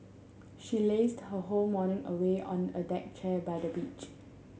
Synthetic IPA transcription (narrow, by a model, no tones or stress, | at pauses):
ʃilesdhəɦolmɔnɪ̃ŋəweʔɔ̃nədɛk̚t͡ʃʰɛbaɪdəbit͡ʃ